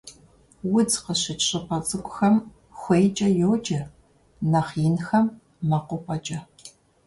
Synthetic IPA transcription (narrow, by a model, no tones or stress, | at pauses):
wʊd͡zqəɕɪt͡ʃʼɕʼɪpʰʼɐt͡sʼɨkʷʼʊxɐm | xʷejt͡ʃʼɐjoːd͡ʒɐ | nɐχinxɐmː | ɐqʷʊpʷʰʼɐt͡ʃʼɐ